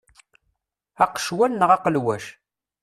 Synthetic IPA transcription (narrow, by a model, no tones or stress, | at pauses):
æqʃwælnəʁɑqəlwæʃ